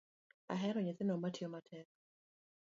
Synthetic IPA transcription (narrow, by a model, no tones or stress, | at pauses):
a̰ɦɛɾɔɲɪθɪnɔmatjɔmatʰɛk̚